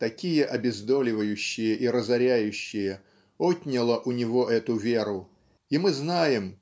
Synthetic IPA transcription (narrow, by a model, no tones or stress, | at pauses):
t̪ɐkʲijəʔɐbʲɪzd̪o̞lʲɪvəjʉɕːɪjəʔiɾəzɐɾʲæjʉɕːɪjə | ot̪ʲnʲɪlˠəʔʊnʲɪvo̞ʔɛt̪ʊvʲeɾʊ | imɨznajɪm